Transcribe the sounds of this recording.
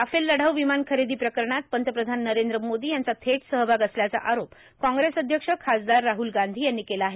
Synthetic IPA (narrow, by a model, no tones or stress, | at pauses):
afelːəɽ̤əʋʋimankʰəɾed̪iːpɾəkəɾɳat̪̚pənt̪əpɾəd̪ʱanːəɾend̪ɾəmod̪iːjant͡sat̪ʰeʈsəɦbaɡəsljat͡sa̰ʔaɾop | kɔ̃ŋɡɾesəd̪ʱjəkʂəkʰasd̪aɾːaɦuːlɡand̪ʱiːjanːiːkelaːɦe